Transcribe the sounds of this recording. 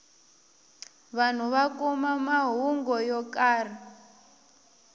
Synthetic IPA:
βan̤uβakɔmamaɦuŋɡɔjɔkaːr̤i

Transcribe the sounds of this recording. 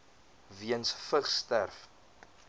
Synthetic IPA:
viənsfəχstærf

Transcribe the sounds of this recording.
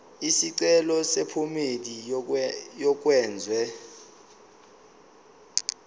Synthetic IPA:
isiǀɛlɔsepʰumedi | jɔk̬ʼwɛːnd͡zʱwɛ

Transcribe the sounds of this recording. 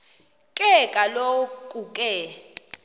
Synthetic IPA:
kʼɛkʼalokʼukʼɛ

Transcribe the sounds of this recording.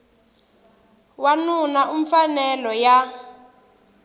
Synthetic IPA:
wanunaʔuɱfanɛlɔja

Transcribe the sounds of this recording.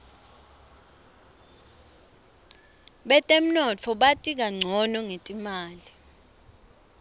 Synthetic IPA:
ɓɛtʼem̩nɔt͡fʰɔɓatʼik̬aŋ͡ǀʱɔnɔŋetʼimaːli

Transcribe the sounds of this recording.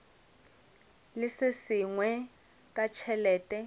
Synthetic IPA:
lɪsɪsiŋwɛ | kʼat͡ʃʰɛlɛːtʼɛ

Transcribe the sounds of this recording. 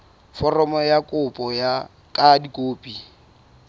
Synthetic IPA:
fɔrɔmɔjakʼʊpʼɔja | kʼadikʼoːpʼi

